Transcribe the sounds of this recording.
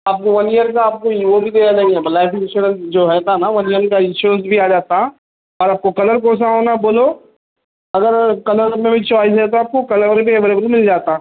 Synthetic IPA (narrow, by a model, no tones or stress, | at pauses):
aːp̚koʋɐnijəɾkaaːp̚koiːʋobʱid̪eːjad͡ʒaĩɦɛbɐlafɪʃunəld͡ʒoːɦɛt̪ʰanaʋɐnijənkaɪ̃nʃuɾə̃ns̬bʱiaːd͡ʒaːt̪aɦɛ | ɔːɾaːp̚kokɐləɾk̬õːs̬aɦonaboːlo | ɐɡəɾkɐləɾɾmẽbɐt͡ʃɔaːis̬ɦɛt̪̬oaːp̚kokɐləɾəɾbʱiɛʋeleːbəlmɪld͡ʒaːt̪aɛ̃